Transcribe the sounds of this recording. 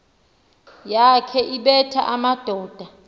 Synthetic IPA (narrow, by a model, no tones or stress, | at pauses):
jakʰɛʔiɓɛtʰa̰ʔamad̥ʱɔːd̥ʱa